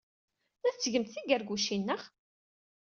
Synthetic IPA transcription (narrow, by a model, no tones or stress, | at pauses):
æθt͡sːʝəmt̪θiɡæɾɡuʃinːəχ